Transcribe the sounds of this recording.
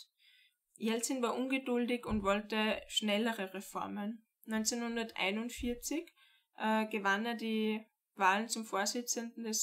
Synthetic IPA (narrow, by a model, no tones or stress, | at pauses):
jɛlt͡sɪnvaːɐʔʊnɡədʊldɪçʊntvɔltəʃnɛləʁəʁefɔɐmən | nɔʏnt͡senhʊndɐtʔa̰ɪnʊntfiɐt͡sɪç | ʔɡ̥əvaneːɐdiː | vaːlnt͡sʊmfoːɐzɪt͡səndn̩dɛs